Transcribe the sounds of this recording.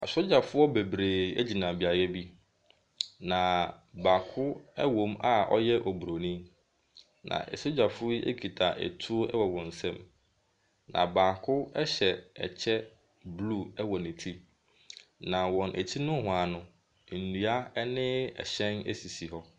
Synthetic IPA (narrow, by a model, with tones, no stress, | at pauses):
a˨so˦d͡ʑa˨fʊ˦ɔ˦be˨bɾeː˨ɛ̰˦d͡ʑi˨nã˨bi˨a˨ɾjɛ˦bi˦ | nã˨baː˨kʰʊ˦ɛ˦wõ˦ma˦ʔɔ̰˦jɛ˦ʔɔ˨bu˨ɾo˨nĩ˦m | nã̰˨ʔɛ̰˨so˦d͡ʑa˨fʊ˦ḛ˦kʰi˨tʰa̰˨ʔɛ̰˨tʰu˦o˦ɛ˦wɔ˨wɔ̃˨n̩˨sɛ̃˦m | nã̰˨baː˨kʰʊ˦ɛ˦ɕɛ˨ɛ̰˨t͡ɕʰɛ˦ | blu˦˨ɛ˦wɔ˨nɪ̃˨tʰi˦ | nã˨wɔ̃˨nʔæ̰˨tʰi˦nʊ̃˦hʊ̃˨a˨nʊ̃˦ | n̩˨nũ˨a˦nɪ̃˦ɛ̰˨ɕɛ̃˦nɛ̰˦si˨si˨hɔ˦